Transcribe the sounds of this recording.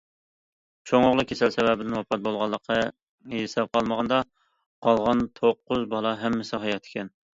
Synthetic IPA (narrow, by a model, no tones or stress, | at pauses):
t͡ʃʰoŋoʁlˠʊkʲʰesɛlsɛvɛbɪd̪ɪnwɑpʰɑt̪̚bolˠʁɑlˠːəqʰːɑ | esɛp̚qʰɑlˠməʁɑnd̪ɑ | qʰɑlˠʁɑnt̪ʰoqːʊzbɑlˠɑɦɛmːɪsɪɦɑjɑt̪ʰɪ̥kʲɛn